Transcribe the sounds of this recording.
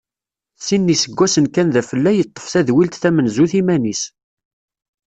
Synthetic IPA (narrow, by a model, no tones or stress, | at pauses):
sinːisəɡʷːæsənkænðæfəlːæjət̪ˤːə̥fθæðwilt̪θæmənzuθimænis